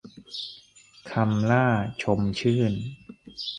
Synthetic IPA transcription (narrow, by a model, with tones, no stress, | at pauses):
kʰa˧mlaː˥˩t͡ɕʰo˧mt͡ɕʰɯː˥˩n